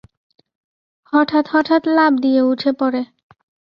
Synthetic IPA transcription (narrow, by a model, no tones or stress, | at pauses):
hɔʈʰat̪hɔʈʰat̪labd̪ijeuʈʰepɔɾe